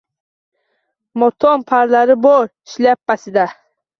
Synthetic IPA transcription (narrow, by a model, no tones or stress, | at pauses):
mot̪ʰɔnpʰaɾlaɾɪbɔɾiʃlap̚ːasɪd̪a